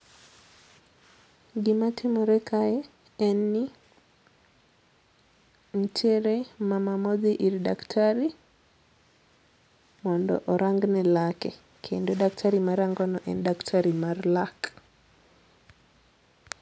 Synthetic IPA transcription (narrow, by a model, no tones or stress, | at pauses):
ɡimatʰimoɾɛkʰajɛ | ɛnːi | n̩t͡ʃeɾemamamɔd̪iʔiɾdaktʰaɾi | mɔndɔ̰ʔɔɾaŋɡnɛlakɛ | kʰḛndodaktʰaɾimaɾaŋɡɔnɔʔɛndaktʰaɾimarlak